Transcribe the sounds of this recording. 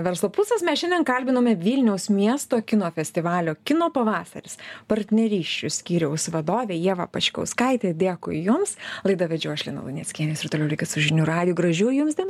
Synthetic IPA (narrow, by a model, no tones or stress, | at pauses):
ʋʲɛɾslˠoːpusɐsmʲɛsʃʲɛnʲd̪ʲɛnkɐlʲbʲɪnoːmʲɛʋʲilʲnʲɛʊsmʲiɛst̪oːkʲɪnoːfʲɛsʲt̪ʲɪʋɑːlʲoːkʲɪnoːpɐʋɑːsɐ̰ɾʲɪspɐɾʲt̪ʲnʲɛɾʲiːʃʲt͡ʃʲʊsʲkʲiːɾʲɛʊsʋɐd̪oːʋʲeːjiɛʋɐ̰pɐt͡ʃʲkʲɐ̰ʊskɐɪt̪ʲeːd̪ʲeːkʊɪjʊmslˠɐɪd̪ɐʋʲɛd͡ʒʲɛʊɐʃʲlʲḭɛnɐ̰lˠʊ̰nʲɛːsʲkʲiɛnʲoːsɪrt̪oːlʲɛʊlʲɪkʲɪt̪sʊʒʲɪnʲuːɾɑːd̪ʲɪjuːɡɾɐʒʲuːjjʊmsd̪ʲin